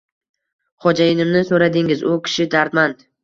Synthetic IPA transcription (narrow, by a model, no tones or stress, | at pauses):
χɒd͡ʒajɪnɪmnɪsoɾad̪ɪŋɪzʊkʲʰɪ̥ʃɪd̪aɾt̪mand̪